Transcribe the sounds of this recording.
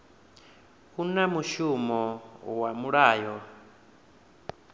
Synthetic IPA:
hunamuʃumɔwamuɺaːjɔ

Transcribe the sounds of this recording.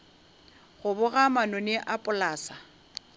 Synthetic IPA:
ɣʊbʊɣamanʊnɪʔapʼʊlaːsa

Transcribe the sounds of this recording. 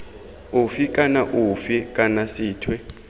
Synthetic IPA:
ufikʼanaʔufikʼanasiːtʰwɛ

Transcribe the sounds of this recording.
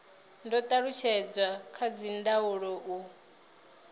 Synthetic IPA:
ndɔt̪ʼaɺut͡ʃʰɛd͡zwakʰad͡zindauɺɔʔu

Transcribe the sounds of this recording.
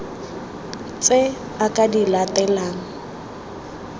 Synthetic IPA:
t͡sʼe | akʼadilatʼɛlaːŋ̩

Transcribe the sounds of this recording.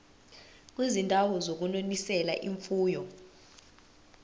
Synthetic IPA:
k̬ʼwizintʼawɔzok̬unonisɛla̰ʔiɱfuːjɔ

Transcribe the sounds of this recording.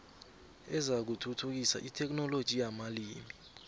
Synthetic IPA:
ɛzak̬utʰutʰuk̬isa̰ʔitʰɛk̬ʼnɔlod̥ʒ̥ʱijamaliːmi

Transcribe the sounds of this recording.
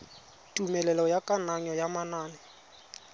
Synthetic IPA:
tʼumɛlɛlɔjakʼanaɲɔjamanaːnɛ

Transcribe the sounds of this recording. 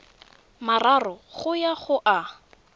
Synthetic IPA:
mararɔχʊjaχʊʔa

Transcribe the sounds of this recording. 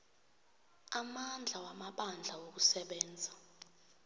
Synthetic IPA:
amand͡ɮʱawamaɓand͡ɮʱawok̬usɛɓɛːnd͡zʱa

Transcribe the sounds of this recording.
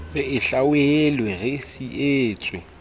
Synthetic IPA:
ɣɪɪɬawelweɣɪsieːt͡sʼwɛ

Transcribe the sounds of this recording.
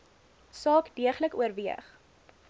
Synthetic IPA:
sɑːkdiəχləkuərviəχ

